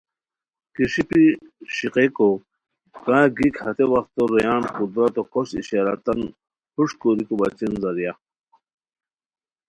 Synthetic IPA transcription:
kiɕipiɕiqeko | kãːɡikhɐt̪ewɐxt̪oɾejaːnqud̪ɾɐt̪okoɕḭɕaɾɐ̰t̪ɐn | huʂkoɾikobɐt͡ɕinzɐɾja

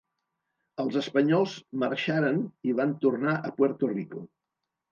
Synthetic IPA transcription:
əlˠzəspəɲɔlˠzmərʃaɾəniβant̪urnaʔəpwəɾt̪uriku

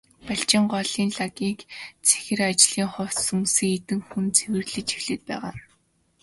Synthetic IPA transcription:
paɬt͡ɕɪ̆ɴɢɔɮiːnɮaɡiːkt͡sʰe̥xʲɪ̆rat͡ɕɮiːŋχɔw̥sumsĭŋet̪ɘ̆ŋxunt͡sʰewɘ̆rɮɘ̆t͡ɕi̥xɮɘ̆t̪̚pæ̰ːʁa̰ːr

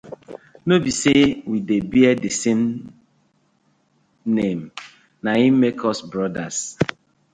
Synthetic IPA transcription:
nobisewidebiɛdisem | nem̩ | naĩmekʰɔsbɾɔdas

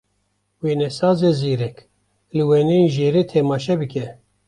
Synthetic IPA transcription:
weːnɛsɑːzeziːɾɛk | lɨwɛnenʒeːɾet̪ʰɛmɑːʃɛbɨkʰɛ

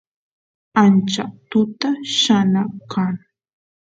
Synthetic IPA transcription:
ant͡ʃat̪ʊt̪aʃanakʰaŋ

